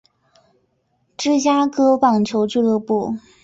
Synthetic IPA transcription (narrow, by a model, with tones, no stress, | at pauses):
ʈ͡ʂɻ̩˥˧t͡ɕja˥kɤ˥pɑ˨˩ŋt͡ɕʰjo˧˥ʊt͡ɕy˥˧lɤ˥˧pu˥˩